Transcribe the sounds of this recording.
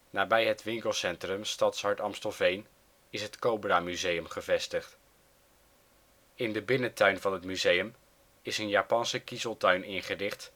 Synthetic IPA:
naːbɛjɦətʋɪŋkəlˠsɛntrəmstɑtsɦɑɹtɑmstəlˠvejn | ɪsɦətkowbraːmyzejəmχəvɛstəχt | ɪndəbɪnətœɥnvɑnɦətmyzejəm | ɪsənjaːpɑnsəkizəlˠtœɥnɪnχərɪχt

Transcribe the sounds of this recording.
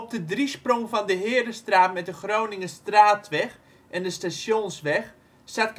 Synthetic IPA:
p̚dədrisprɔŋvɑndəɦɪːəɾəstraːtmɛt̚dəχrownɪŋəstraːtʋɛχ | ʔɛndəstaʃjonsʋɛχ | sat̚k

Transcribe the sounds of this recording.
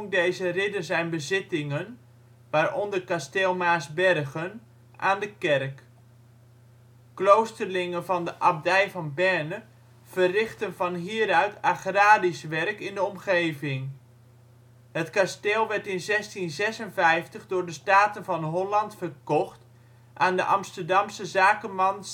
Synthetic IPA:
ŋdejzərɪdənzɛjnbəzɪtɪŋən | ʋaːrɔndəkasteːlˠmaːsbɛrɣən | ʔaːndəkɛrk | klowstərlɪŋənvɑndəʔab̚dɛjvɑnbɛrnə | v̥ərɪχtənvɑnɦiːəɾœɥtaχraːdisʋɛrkɪndəɔmχejvɪŋ | hətkasteːlˠʋɛɹtɪnzɛstinzɛsənvɛjftəχdʊːɹdəstaːtənvɑnɦɔlɑntfərkɔχt | ʔaːndəʔɑmstərdɑmsəzaːkəmɑns

